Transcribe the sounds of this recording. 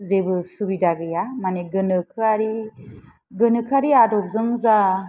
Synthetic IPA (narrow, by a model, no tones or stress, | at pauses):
zebɯsubidaɡɯjamaneɡɯnɯkʰɯaɾi | ɡɯnɯkʰɯaɾiadɔk̚zɯŋza